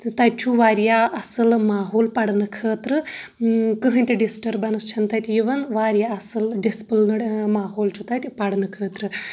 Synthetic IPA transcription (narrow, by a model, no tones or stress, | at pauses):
t̪ɐj̚t͡ʃʰuʋaːɾjaɐsɨlmaːɦoːlpɐɽnɨkʰəːt̪ɾɨ | kɨɦɨnʲt̪ʲeɖisʈɐɾbɐnɨst͡ʃʰɐnt̪ajt̪ʲjiʋɐnʋaːɾjaɐsɨlɖispɨlnɨɽmaːɦoːlt͡ʃʰut̪ajt̪ʲipɐɽnɨkʰəːt̪ɾɨ